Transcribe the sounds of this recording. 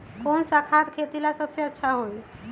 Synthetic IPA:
konsakʰat̪kʰet̪ilasəbseətːʃʰaɦoj

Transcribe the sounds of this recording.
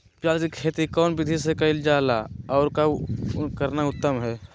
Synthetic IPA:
pjaːlkikʰeːt̪ikɔːnbɪd̪ʱisekɐɪld͡ʒaːla̰ɔːɾkakəɾnaʊt̪ːəmɦɛː

